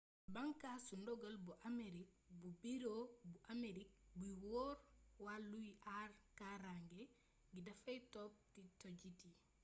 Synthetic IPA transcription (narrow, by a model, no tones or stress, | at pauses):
baŋkasundɔɡalbuʔameɾik̚ | bubiɾobuʔameɾik̚buiwoːɾwalːuiʔarkaɾaŋɡe | ɡidɐfajtɔp̚titoɟiti